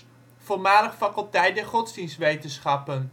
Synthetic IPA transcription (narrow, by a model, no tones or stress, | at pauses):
v̥oːlmaːləχfɑkəlˠtɛjt̚dɛɹχɔdzdinstʋejtənsχɑpən